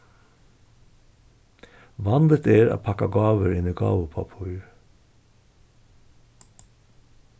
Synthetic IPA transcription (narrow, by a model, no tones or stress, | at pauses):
ʋɑnd̪ət̪ʰeːɾɑ̰ːpʰɑkɑɡɑːʋəɹɪniːɡɑ̰ːʋəpʰɑ̰pʰʊəɾ